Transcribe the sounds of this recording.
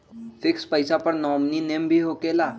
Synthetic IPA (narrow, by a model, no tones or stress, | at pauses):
fikspəjsapəɾnɔmninembʱiːɦokela